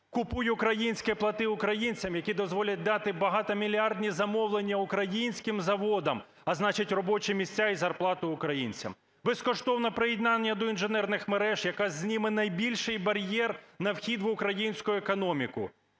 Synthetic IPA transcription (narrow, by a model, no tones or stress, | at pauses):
kʊpujɛʊkɾɐjinʲsʲkɛplˠɐt̪ɪʊkɾɐjinʲt͡sʲɐmjɐkʲid̪ɔzʋɔlʲɐt̚ʲd̪ɑt̪ɪbɐɦɑt̪ɐmʲilʲiɑrd̪ʲnʲizɐmɔwlˠenʲːɐʊkɾɐjinʲsʲkɪmzɐʋɔd̪ɐm | ɐznɑt͡ʃɪtʲrɔbɔt͡ʃɛmʲisʲt͡sʲːaizɐrplˠɑt̪ʊʊkɾɐjinʲt͡sʲɐ̰m | bɛskɔʃt̪ɔwnɐpɾɪjid̪nɑnʲːɐd̪ɔinʒenɛrnɪxmeɾɛʒjɐkɑzzʲnʲimɪnɐjbʲilʲʃɪjbɐɾʲjɛrnɐwxʲid̪ʋʊkɾɐjinʲsʲkʊjʊekɔnɔmʲikʊ̰